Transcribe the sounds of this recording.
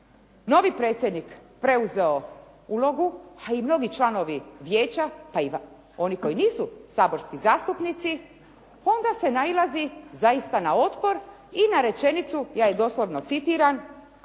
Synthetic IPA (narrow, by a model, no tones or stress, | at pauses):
no̞ʋipɾe̞ːt̪sjed̪nikpɾe̞uze̞o̞ | ulo̞ɡuaimno̞ɡit͡ʃlˠano̞ʋiʋjeːt͡ɕapaiʋ | o̞niko̞jiniːsusaːbo̞ɾskizaːst̪upnit̪si | o̞nd̪ase̞nailˠazizaist̪anao̞t̪po̞ɾ | inaɾe̞t͡ʃe̞nit̪sujaːje̞d̪o̞slo̞ʋno̞t̪sit̪iɾan